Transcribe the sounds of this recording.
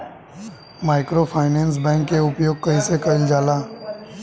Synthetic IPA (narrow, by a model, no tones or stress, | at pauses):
maːɪkɾopʰaːɪnɛ̃ːns̬bɛ̃ːŋkːeʊpjoːɡ̚kɐĩsekəɪld͡ʒaːlaː